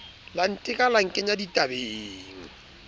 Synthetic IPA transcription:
lan̩tʼɪkʼalaŋ̩kʼɪɲaditʼabeːŋ̩

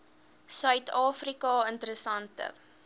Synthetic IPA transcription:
sœɥtʰɑːfrikɑəntəɾəsɐntə̰

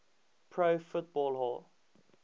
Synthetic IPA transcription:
pʰɹoːfʊt̚bɔlˠɦɔ̰l

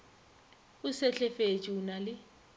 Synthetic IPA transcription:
ʊsɛɬʰʼɛfet͡ʃʼiunalɪ

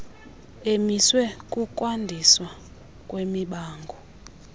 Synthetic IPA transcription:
emiswɛkʼukʼwandʱiswa | kʼwemiɓaːŋɡʱɔ

